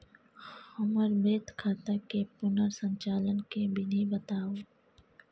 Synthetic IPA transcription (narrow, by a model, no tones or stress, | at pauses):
ʊməɾbeːt̪kʰaːt̪akepʊnəɾsə̃ɲt͡ʃaːlənkebʱɪnibət̪aːoː